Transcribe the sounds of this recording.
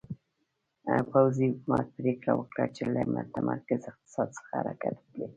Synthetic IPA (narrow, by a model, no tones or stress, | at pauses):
pawziʊkumɑt̪̚pɾekɽawəkɽat͡ʃelamʊt̪amʔaɾkɪzɪq̚t̪ɪ̥sɑd̪sə̥xaaɾakat̪wəkli